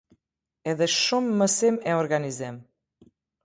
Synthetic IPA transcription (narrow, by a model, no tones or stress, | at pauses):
ɛðəʃʃomːəsemɛorɣanizɛm